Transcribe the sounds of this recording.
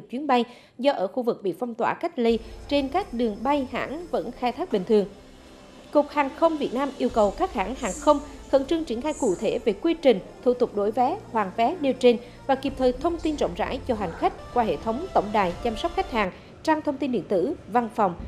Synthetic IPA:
t͡ɕwi˨˦nɓa˧j | zɔ˧ʔəː˧˩xu˧vɨ˨˩k̚ɓḭ˧˨fɔ˧wŋ͡mt̪waː˧˩ka˦˥jk̟̚li˧t͡ɕe˧nkaː˦˥k̚ɗɨ˨˩əŋɓa˧jha̰ː˧˥ŋvə̰˧˥nxaː˧jt̪ʰaː˦˥k̚ɓï˨˩ŋ̟t̪ɨ˨˩əŋ | kʊ˨˩k̚haː˨˩ŋxə˧wŋ͡mvi˨˩ət̚naː˧mʔi˧əwkə˨˩wkaː˦˥k̚ha̰ː˧˩ŋhaː˨˩ŋxə˧wŋ͡mxə̰˧˥nt͡ɕɨ˧əŋt͡ɕwi˧˩ənxaː˧jkṵ˧˨t̪ʰe˧˩ve˨˩kwi˧t͡ɕï˨˩ŋ̟t̪ʰu˧˩t̪ʊ˨˩k͡p̚ɗo˧˩˦jvɛ˨˦hwaː˨˩ŋfɛ˨˦ɗi˧wt͡ɕe˧n | vaː˨˩ki˨˩p̚t̪ʰəː˨˩jt̪ʰə˧wŋ͡mt̪i˧nzɔ̰˧˨ŋ͡mza̰ː˧˥jt͡ɕɔ˧ɦa˨˩jŋ̟xa˦˥k̟̚kwaː˧ɦḛ˧˨t̪ʰə˨˦wŋ͡mt̪ə̰˧˩wŋ͡mɗaː˨˩jt͡ɕa˧msɔ˦˥k͡p̚xa˦˥jk̚haː˨˩ŋ | t͡ɕa˧ŋt̪ʰə˧wŋ͡mt̪i˧nɗḭ˧˨nt̪ɨ̰˧˥va˧nfɔ˨˩wŋ͡m

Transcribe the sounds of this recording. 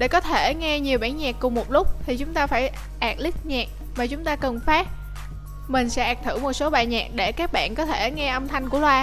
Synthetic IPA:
ɗe˧˩kɔ˨˦t̪ʰe˧˩ŋɛ˧ɲi˨˩əwɓaː˧˩nɲaː˨˩kːʊ˨˩ŋ͡mmo˨˩t̚lʊ˦˥k͡p̚t̪ʰi˨˩t͡ɕʊ˨˦ŋ͡mt̪aː˧faː˧˩j | ʔaː˨˩k̚li˦˥k̚ɲaː˨˩k̚ | maː˨˩t͡ɕʊ˨˦ŋ͡mt̪aː˧kə˨˩nfaː˦˥t̚ | mï˨˩ŋ̟sɛ̰˧˥ʔaː˨˩k̚t̪ʰɨ˧˩mo˨˩t̚so˨˦ɓaː˨˩jɲa̰ː˨˩k̚ɗe˧˩kaː˦˥k̚ɓa̰ː˧˨nkɔ˨˦t̪ʰe˧˩ŋɛ˧ʔə˧wmt̪ʰa˧jŋ̟ku˧˩əlwaː˧

